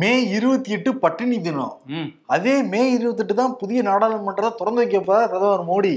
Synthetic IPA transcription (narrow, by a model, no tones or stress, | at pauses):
meːɪɾɯʋɐt̪ːɯjɛʈːɯpɐʈːɯniːt̪ːɪnõ̰ː | ɐðeːmeːɪɾɯʋɐt̪̬ːɯʈːɯt̪ːãːpʊðɪjɐnaːɽaːlɐmɐʈːrɐðaːt̪ʊɾɐnd̪ɐʋɐk̬ːɐpːɐːaːɾɐðɐʋaːɾmoːɽi